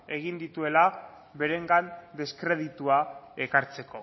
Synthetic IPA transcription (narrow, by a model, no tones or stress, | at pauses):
e̞ɣ̞ind̪it̪ue̞la | βe̞ɾe̞ŋɡand̪eskɾe̞ðit̪uaekaɾt͡se̞ko̞